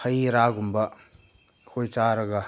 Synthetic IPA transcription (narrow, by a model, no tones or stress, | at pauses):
hɐjɾaɡumbɐ | kʰojt͡ʃaɾɐɡɐ